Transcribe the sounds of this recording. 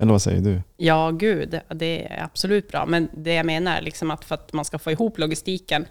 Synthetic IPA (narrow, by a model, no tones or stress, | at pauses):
ʔɛlːəɾvasɛ̰jːə̰ɖɵjɑːɡʉ̟ːd̪d̪ɛ̰æ̰ɾab̥sɔlʉ̟ːt̪̚bɾɑ̰ːmɛnd̪ɛjaɪmeːna̰ɾlɪksɔmat̪fœɾat̪manskafoːɪɦuːplʊɡɪst̪iːkən